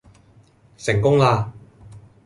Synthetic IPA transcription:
sɪ˨˩ŋkʊ˥ŋlaː˧

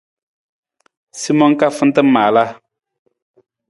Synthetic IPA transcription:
si˦mɔ̃˦ŋka˦fɨ˦n̩˦tɨ˦maː˨la˦

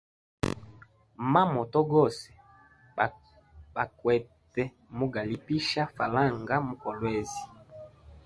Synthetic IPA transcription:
ma˦mɔ˨tɔ˦ɡɔ˦˨sɛ̥˨ | ba˨kwɛ˨tɛ˦ | mu˦ɡa˨li˨pi˦ʃa˦fa˨la˦˨ŋɡa˦mu˦kɔ˨lwɛ˦zi˨

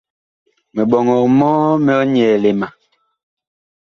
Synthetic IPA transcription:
mɛ˨ɓɔ˨ŋɔ˨mɔː˦mɛ˦ɔ˦ɲɛ˨le˨ma˨

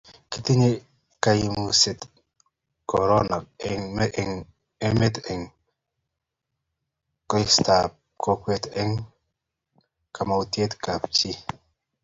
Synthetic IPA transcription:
ki˦ti˦ɲe˦ | ka˨ji˨mu˨sɪ˨t̪ | kɔ˨ɾɔ˦nɔ˨k̚ɛŋm˦ʔŋ | e˦me˦tɛ˨ŋ | kɔ˦ɪ˦sta˨p̚ | kʰɔ˦kwe˨tɛ˦ŋ | ka˨ma˨u˨tje˦tka˨pt͡ʃi˦

